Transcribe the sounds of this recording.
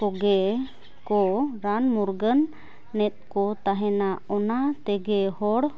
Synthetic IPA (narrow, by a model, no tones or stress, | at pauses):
kɔɡɛ | kɔɾanmuɾɡənː | ɛt̪̚kɔt̪aɦɛ̃naɔnat̪ɛɡɛhɔɽ